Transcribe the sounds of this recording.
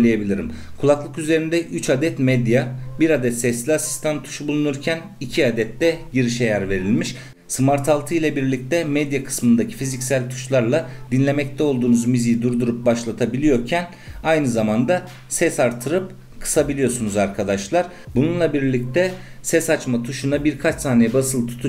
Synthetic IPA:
lʲˠijebilʲiɾḭmkʰulˠaklˠɯkyze̞ɾind̪ɛʔyt͡ʃad̪ɛt̪mɛd̪jabiɾad̪ɛt̪sɛslʲiasi̥st̪ʰant̪ʰːu̥ʃubulˠunuɾcʰæn | icʰiad̪ɛt̪ːɛɟiɾiʃejæɾve̞ɾilʲmiʃ | sɯmaɾt̪ʰalˠt̪ʰɯjlʲɛbiɾlʲic̚t̪ɛmɛd̪jakʰɯ̥smɯnd̪acʰi̥fizicʲsælʲt̪ʰu̥ʃlˠaɾlˠad̪inlʲe̞mɛc̚t̪ʰɛo̞lˠd̪uːnuzmizijid̪uɾd̪uɾup̚baʃlˠat̪ʰabilʲijo̞ɾcʰæn | ajnɯzamand̪a | sɛsaɾt̪ʰɯɾɯp̚ | kʰɯ̥sabilʲijo̞sunuzaɾkʰad̪aʃlˠaɾ | bununlˠabiɾlʲic̚t̪ʰɛ | sɛsat͡ʃmat̪ʰuʃunabiɾkʰat͡ʃsaːnejɛbasɯlˠt̪ʰu̥t̪ʰu

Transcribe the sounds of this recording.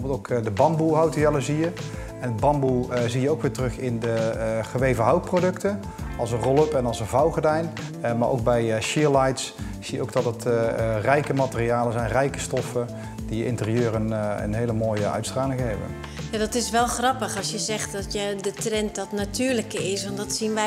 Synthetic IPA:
bˠtowkdəbɑmbuɦawtəjɛləzijə | ɛndəbɑmbuzijəowkʋɪːɹtrɵχɪndəχəʋejvəɦɑwt̚prodɵktən | ɑlˠzənrɔlˠəpɛnɑlˠzənvɑwχədɛjn | maːɹʔo̰wk̚bɛjʃɪlajts | sijəo̰wk̚dɑtətrɛjkəmatərijaːləzɛjnrɛjkə̥stɔfə | d̥ijəʔɪ̰ntərijøːɾənə̰nɦejləmoːjəʔœ̰ɥtstraːlɪŋəɦɛbə̰n | jadɔtɪsʋɛlˠχrɑpəχɑsjəzɛχt̚dɔtjədətrɛntdɔtnatyːɹləkəɪsʋɔndɔtsinʋɛ

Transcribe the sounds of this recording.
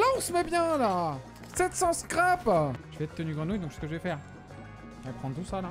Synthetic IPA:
laɔ̃səmɛbjɛ̃la | sɛt̪sɑ̃skχapʒ̥əvɛt̪t̪ːənyɡʁɑ̃nujd̪ɔ̃kʃsə̥kəʒəvɛfɛːʁ | ɛpχɑ̃t̪usala

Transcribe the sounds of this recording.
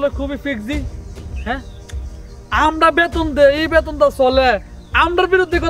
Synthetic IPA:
lekʰubifʰikzihɛ̃ | amɾabet̪ond̪eebet̪ond̪asɔle | amɾaɾbiɾud̪ʱːikɔ

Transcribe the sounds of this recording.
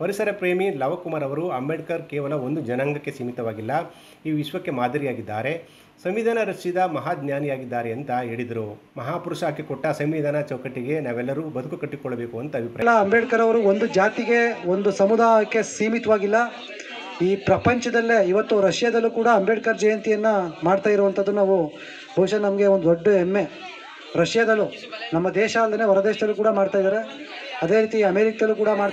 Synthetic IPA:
pɐɾisɐɾɐpɾeːmilɐʋɐkumaːɾɐʋɐɾuɐmbɛɽkɐɾkɛːʋɐlɐo̞nd̪ud͡ʒɐnɐŋɡɐkːe̞siːmit̪ɐʋaːɡilːɐ | iːʋiʃʋɐkːe̞maːd̪ʱɐɾijaːɡid̪ːaːɾe̞ | sɐmʋid̪ʱaːnɐɾɐʃid̪ɐmɐɦaːd̪njaːnijaːɡid̪ːaːɾeɐnt̪ɐɦeːɭid̪ɐɾumɐɦaːpuɾuʂaːkːekɔʈːɐsɐmʋid̪ʱaːnɐt͡ʃɐwkɐʈːiɡe̞naːʋɛlːɐɾubɐd̪ukukɐʈːikɔɭːɐbe̞ːkuɐnt̪ɐɐbʱipɾaɐlːɐɐmbeɖkɐɾɐʋɐɾuond̪ud͡ʒaːt̪iɡe̞o̞nd̪usɐmud̪aːjɐkːe̞siːmit̪ɐʋaːɡilːɐ | iːpɾɐpɐɲt͡ʃɐd̪ɐlːe̞iʋɐt̪ːuɾɐʃjɐd̪ɐlːukuːɽɐːmbɛɖkɐɾd͡ʒɐjɐnt̪ijɐnːɐmaːɖt̪aːjiɾoʋɐnt̪ʰɐd̪ːunaːʋu | bʱɐwuʂanɐmɐɡe̞o̞nd̪oɖːuemːe̞ | ɾɐʂjɐd̪ɐlːu | nɐmːɐd̪ɛːʃaːlːd̪ɐne̞ːʋɐɾɐd̪eːʃɐd̪ɐlːukuːɽɐmaːɖt̪aːjd̪aːɾe̞ | ɐd̪e̞ːɾiːt̪iɐmeɾikɐd̪ɐlːuːkuːɽɐmaː

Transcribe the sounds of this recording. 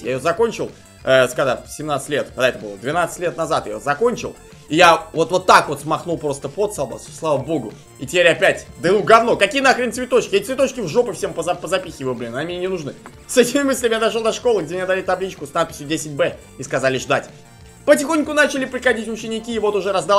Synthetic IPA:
ja̰ɪjozɐko̞nʲt͡ɕɪlˠ | əskɐza̰fʲsʲɪmnat̪sɨ̥tʲlʲet̪kɐɡd̪aɛt̪əbɨlˠəd̪vʲɪnat̪sə̥tʲlʲet̪nɐzat̪ɨja̰jozɐko̞nʲt͡ɕɪ̰lˠ | ɪjavo̞t̪vo̞t̪ːakvo̞t̪smɐxnulˠpɾo̞st̪əpo̞t̪salˠba̰sslˠavəbo̞ɡʊ | itʲɪpʲeɾʲɐpʲætʲd̪ɨnuɡ̪ɐvno̞kɐkʲijənakɾənʲt̪svʲɪt̪o̞t͡ɕkʲɪɛt̪ʲt̪svʲɪt̪ot͡ɕkʲɪvʐo̞pɨfsʲempəzɐpəzɐpʲixʲɪvɨblʲɪnnmʲɪnʲenʲɪnʊʐnɨ | sɛtʲɪmʲɪmɨsʲlʲɪmʲɪjad̪ɐʂ̬od̪ɐʂko̞lˠɨɡdʲemʲɪɲʲad̪ɐlʲit̪ɐblʲit͡ɕkʊsnat̪̚pʲɪ̥sʲjʊdʲesʲɪtʲbɛ | iskɐzalʲɪʐd̪atʲ | pətʲɪxonʲkʊnat͡ɕɪlʲɪpɾʲɪxɐdʲitʲʊt͡ɕɪnʲɪkʲivo̞t̪ʊʐɛɾɐzd̪a

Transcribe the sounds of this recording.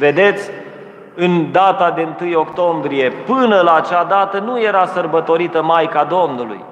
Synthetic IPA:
ve̞d̪e̞t̪sʲ | ɨnd̪at̪ad̪e̞ɨnt̪ɨjo̞kt̪o̞mbɾije̞pɨnəlaːt͡ʃad̪at̪ənuje̞ɾasərbət̪o̞ɾit̪əmajkad̪o̞mnulṵj

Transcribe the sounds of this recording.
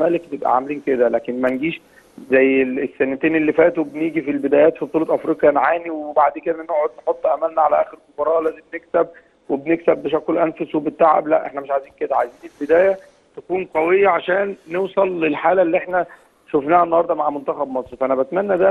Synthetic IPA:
mæːlek̚bjebʔæ̰ʕa̰mæliːnked̪ælæːkenmænɡiːʃ | zæjːeesːænæt̪eːnelːifæːt̪webniːɡifilbed̪æːjæːt̪fibet̪uːlet̪ʔæfɾiːqjænʕaːniwebaʕd̪eːked̪æʔnoʕod̪̚neħot̪ˤːʔæmælnæʕalæʔæ̰ːxeɾmobɑɾˤɑːʔlæːzemneksæb̚ | webneksæbːeʃ̬ækːelʔænfoswebet̪ːaʕæ̰blæ̰ʔḛħnæmeʃʕajziːnked̪æʕajziːnelbed̪æːjæ | t̪ækuːnqɑwejːæʕaʃæːnːewsˤɑlːelħaːlælːiʔeħnæ | ʃofnæːhæʔenːɑhɑɾˤd̪ˤɑmaʕmont̪æxæbmɑsˤɾfæʔænæbæt̪mænːæd̪æ

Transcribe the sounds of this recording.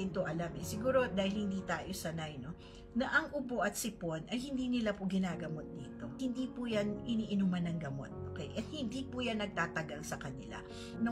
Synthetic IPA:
ɪnt̪oʔɐlamɛsɪɡuːɾo̞d̪aːhɪlhɪnd̪iːt̪aːjo̞sɐnajno̞ | nɐʔɐŋʔʊbo̞ʔɐt̪̚sɪpo̞nʔɐjhɪnd̪iːnɪlapʊɡɪnaːɡɐmo̞t̪̚d̪ḭːt̪o̞hɪnd̪iːpujanɪniːʔɪnumɐnɐŋɡɐmo̞̰t̪̚o̰ːkɛjʔɐt̪̚hɪnd̪iːpujanːɐɡ̚t̪aːt̪ɐɡɐŋsɐkɐnɪla̰ | no

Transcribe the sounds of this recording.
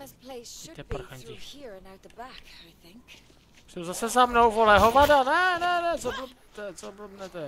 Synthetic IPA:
pʰl̥eɪsit̪ɛp̩xaɲihiɹə̃naʊt̪̚ðəbækaɪθɪ̃ŋk | sɛwzasɛzamnowvolɛɦovadanɛnɛnɛt͡soblb | t̪ɛt͡sobl̩bnɛt̪ɛ

